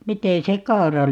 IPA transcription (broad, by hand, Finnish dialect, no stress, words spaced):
mite se kɑu̞rɑ